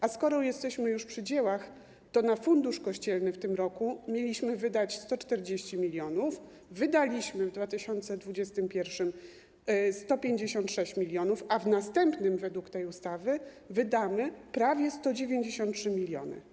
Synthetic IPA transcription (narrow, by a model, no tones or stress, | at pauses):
ʔaskɔɾɔjɛst̪ɛɕmɘjuʂpʂɘd͡ʑewax | t̪ɔnafund̪uʂkɔɕt͡ɕɛlnɘft̪ɘmɾɔkumʲjelʲiɕmɘvɘd̪at͡ɕst̪ɔt͡ʂt̪ɛɾd͡ʑeɕt͡ɕimʲilʲjɔnuf | vɘd̪alʲiɕmɘvd̪vat̪ɘɕɔnt̪sɛd̪vud͡ʑɛst̪ɘmpʲjɛɾfʂɘm | st̪ɔpʲjeɲd͡ʑeɕɔnt̪ʂɛɕt͡ɕmʲilʲjɔnufavnast̪ɛmpnɘmvɛd̪wukt̪ɛjust̪avɘ | vɘd̪amɘpɾavʲjɛst̪ɔd͡ʑevʲjeɲd͡ʑeɕɔ̃nt̪tʂɘmʲilʲjɔ̰nɘ̰